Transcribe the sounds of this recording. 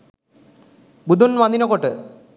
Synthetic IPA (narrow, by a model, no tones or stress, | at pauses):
bud̪ʱunʋɐnd̪inokoʈːɨ